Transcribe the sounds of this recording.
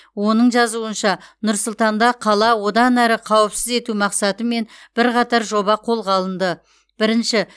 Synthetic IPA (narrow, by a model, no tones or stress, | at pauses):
wo̞nəɴʒɑzuənʃɑnʊɾsʊlˠt̪ɑnd̪ɑqʰɑlˠɑwo̞d̪ɑnæɾɪqʰɑwəpsɪze̞t̪umɑqsɑt̪əme̞nb̥ɪɾqɑt̪ɑɾʒo̞bɑqʰo̞lˠʁɑlˠənd̪ə | b̥ɪɾɪnʃɪ